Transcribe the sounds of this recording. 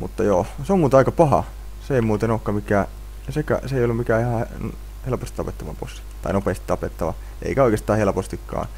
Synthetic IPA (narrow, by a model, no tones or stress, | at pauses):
mṵt̪ːɑjoːseommuːt̪ɑikɑpɑhɑ̰ | seeimuːt̪enoːˑkkːɑmikæː | sekæ̰seijolːumikæːihɑn | helpost̪it̪ɑpet̪ːɑʋɑ̰po̰sːi̥t̪ɑinopeˑːst̪it̪ɑpet̪ːɑʋɑ̰ | ʔḛikæoˑikest̪ɑːhelpost̪ikːɑ̰ː